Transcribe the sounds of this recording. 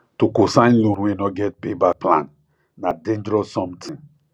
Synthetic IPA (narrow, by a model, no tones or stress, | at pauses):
tokosãɪ̃nlũnwenɔɡɛt̚pebaplã̰nː | adẽnd͡ʒɾɔsɔ̃mtʰĩn